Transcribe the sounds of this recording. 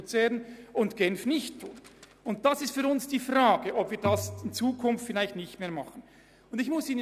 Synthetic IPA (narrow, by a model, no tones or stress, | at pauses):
t͡sɛːɾənʊntɡ̥ɛnfnɪçtʰːuːt | ʊnt̚d̥asɪstfyːɾʊnsd̥iːfraːɡəʔɔpviːɐdasɪnt͡suːkʰʊnftfɪlaɪçtnɪçtmeːɐmɑχən̩ | ʊndɪçmʊsiːnə